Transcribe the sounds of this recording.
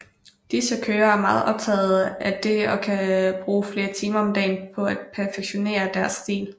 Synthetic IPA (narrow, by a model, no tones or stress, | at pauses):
d̥isəkʰøːɐæɐmɑ̈ːð̩ˠʔɒ̽b̥̚t͡sʰɛ̰ːð̩ˠæd̥e̝ɒ̽kʰæb̥ʁuːfle̝ːɐt͡sʰiːmɐɒ̽md̥ɛ̰ːnpʰɒ̽æd̥̚pʰæɐfeɡ̥ɕo̝ne̝̰ːɐd̥æɐsd̥ḭːl